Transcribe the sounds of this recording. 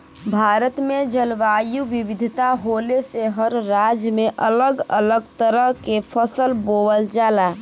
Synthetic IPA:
bʱaːɾət̪med͡ʒəlʋaːjuʋiʋɪd̪ʱt̪aɦoːleseɦəɾɾad͡ʒmeʔələɡələɡt̪əɾəɦkepʰəsəlboːwəld͡ʒaːla

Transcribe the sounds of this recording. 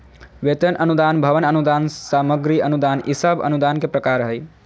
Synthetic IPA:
ʋet̪ənʔənud̪aːnbʱɐʋənənud̪aːnsaməɡɾiənud̪aːnisəbə̰nud̪aːnkepɾəkaːɾɦəj

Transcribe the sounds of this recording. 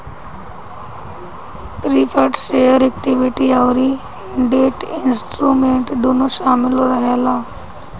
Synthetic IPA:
pɾiːpʰəʈʃeːəɾek̚ʈiʋiʈiaʋɾi | ɳɖeːʈɪnsʈɾuːmẽːɳʈd̪oːnoʃaːmɪlɾɐɦelaː

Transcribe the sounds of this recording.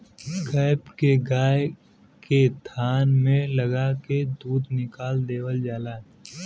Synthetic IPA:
ɡaːɪbkeɡaːj | ket̪ʰaːnmẽlɐɡaked̪uːd̪nɪkaːld̪eːwəld͡ʒaːlaː

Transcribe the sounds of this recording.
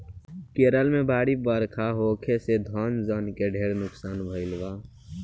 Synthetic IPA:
keːɾəlmẽbaːɽibəɾkʰaːɦoːkʰesed̪ʱaːnzaːnkeɖʱeːɾnʊksaːnbʱəɪlʋaː

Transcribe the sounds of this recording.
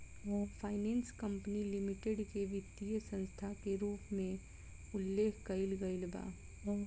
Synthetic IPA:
fʰaːɪnẽːnskɐ̃mpnilɪmɪʈeɖkeʋɪt̪ijəsɐ̃nst̪ʰakeɾuːpmẽ | ʊlːeːkʰkɐɪlɡɐɪlba̰ː

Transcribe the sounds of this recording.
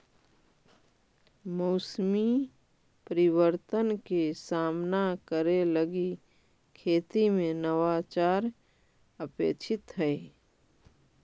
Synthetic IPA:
moʊsmi | pəɾɪwəɾt̪ənkesaːmnakəɾeləɡi | kʰeːt̪imẽnəwat͡ʃaːɾ | əpeːt͡ʃʰɪt̪ɦəi

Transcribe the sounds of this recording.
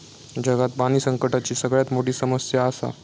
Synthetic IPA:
d͡ʑəɡat̪̚baniːsəŋkəʈat͡ɕiːsəɡɭjat̪moʈiːsəməsjaːsa̰

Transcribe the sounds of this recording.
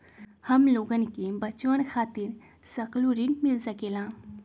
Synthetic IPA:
hɐmloːɡənkebɐt͡ʃwənxʰaːt̪ɪɾ | sɐkluɾinmɪlsəkeːlãː

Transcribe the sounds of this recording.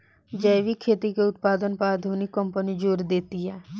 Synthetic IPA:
d͡ʒəːʋikʰeːt̪ikeʊt̪paːd̪ənpaːd̪ʱunikːəmpənid͡ʒoːɾd̪eːt̪iɦɛː

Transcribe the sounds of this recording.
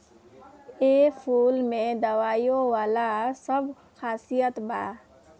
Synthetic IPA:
eːpʰuːlmẽd̪ɐʋaːjõʋaːlasəb | xaːsijət̪ba̰ː

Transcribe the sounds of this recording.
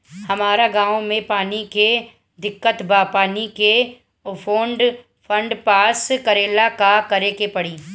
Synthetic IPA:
hɐmaːɾaɡãːõmẽpaːnike | d̪ɪkːət̪baːpaːnike | fʰoːɳɖ | fʰə̃ɳɖpaːskɐɾeːlakakɐɾekepɐɽiː

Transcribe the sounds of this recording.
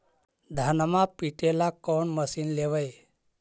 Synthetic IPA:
d̪ʱanmãpiʈelakɔɳməsinleʋəj

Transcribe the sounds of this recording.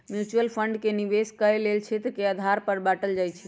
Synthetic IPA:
mjut͡ʃuəlpʰəɳɖkeniʋeskəjlelt͡ʃʰɛt̪keəd̪ʱaɾpəɾbaʈəld͡ʒajt͡ʃʰi

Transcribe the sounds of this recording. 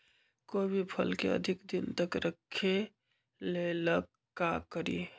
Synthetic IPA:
kobʱipʰə̰lkḛə̰d̪ʱɪkd̪ɪnt̪əkɾəkʰːe | lelək | kːakəɾḭ

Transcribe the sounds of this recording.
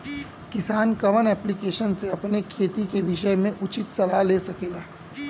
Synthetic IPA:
kɪsaːnkɐmənɛːplikeːʃənseɐpnekʰeːt̪ikeʋɪʃəmẽʔʊt͡ʃɪt̪sɐlaɦleːsɐkeːɡaː

